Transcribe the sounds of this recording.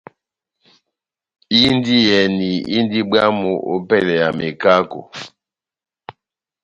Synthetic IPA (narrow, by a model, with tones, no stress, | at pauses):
i˦n˦di˦jɛ˨ni˨ḭ˦n˦di˦ba˦mo˨ʔo̰˦pɛ˦˨lɛ˨ja˨me˨ka˦ko̰˨